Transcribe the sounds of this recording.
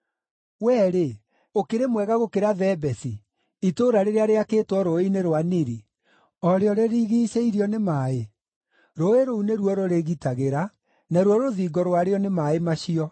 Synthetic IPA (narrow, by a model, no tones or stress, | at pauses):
wɛːɾe | okeɾemwɛɣaɣokeɾaðɛbɛθi | itoɾaɾeɾeaɾeakeːtwɔɾoineɾwaniɾi | ɔɾeɔɾeɾiɣiːɕeiɾjɔnemae | ɾoeɾouneɾwɔɾoɾeɣitaɣeɾa | naɾwɔɾoðiːɡɔɾwaɾeɔnemaemaɕiɔ